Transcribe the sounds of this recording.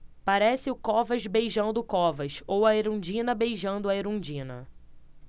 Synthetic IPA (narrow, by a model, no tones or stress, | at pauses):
paɾɛsɪʊkɔvɐʒbejʒɐ̃nd̪ʊkɔvɐʃowɐeɾũd͡ʒĩnɐbejʒɐ̃nd̪ʊɐeɾũd͡ʒĩnɐ̰